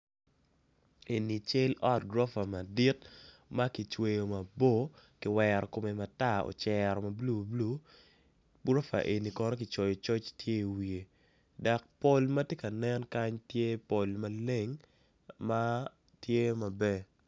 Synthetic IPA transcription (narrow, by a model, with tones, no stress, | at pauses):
e˨ni˨t͡ʃɪ˦lɔ˦t̚ɡɾo˦fa˨ma˨di˦t̚ | ma˦ki˨t͡ʃwe˦jo˨ma˨bo˦ | kɪ˨wɛɾɔ˨ko˨me˨ma˨ta˦˨o̰˨t͡ʃɛɾɔ˨mɐ˨blu˦blu˦ | ɡɾo˦fa̰˨ʔe˨nːi˨kɔ˦nɔ˦kɪ˨t͡ʃɔ˨jɔ˨t͡ʃɔ˦t͡ʃtje˦i˨wi˨e˨ | da˨k̚po˦lma˦tje˦kɐ˨nɛ˦nka˦ɲtje˦po˨lma˨le˦ŋ | ma˦ | tje˦mɐ˨bɛ˨